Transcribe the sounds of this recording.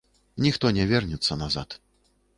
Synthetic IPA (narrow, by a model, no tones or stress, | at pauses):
nʲixt̪ɔnʲɛvʲɛrnʲɛt̪sːɐnaza̰t̪